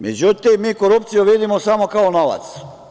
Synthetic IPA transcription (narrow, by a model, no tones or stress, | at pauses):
med͡ʑut̪imːiːkoɾup̚t̪sijoʋid̪imosamokaonoʋa̰t̪s